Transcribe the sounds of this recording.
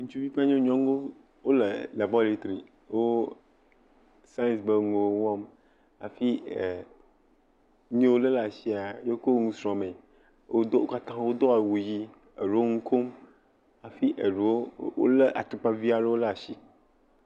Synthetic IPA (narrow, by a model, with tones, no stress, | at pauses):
ŋũ˦t͡ʃu˦vi˦k͡pa˦ɲẽ˦ɲɔ̃˦ŋo˦ | wo˦le˨la˨bɔ˦li˦t̪ɾi˨ | wo˦ | sa˦jnsbe˦ŋo˨wwɔ̃˦m | a̰˨fi˦˨ | ɲẽ˦wo˦le˦la˨si˦a˨jo˦ko˦ŋũ˦sɾɔ̃˨mẽ˨ | wo˦d̪o˦o˦ka˦t̪ã˦wo˦d̪o˦a˨wu˨ji˦ | e˨ɖu˨wo˦ŋũ˦kʰo˦m | a˨fi˦ʔe˨ɖu˨wo˦wo̰˦le˦ʔa˨t̪u˨k͡pa˦vi˦a˨ɖe˦wo˦la˨ʃi˦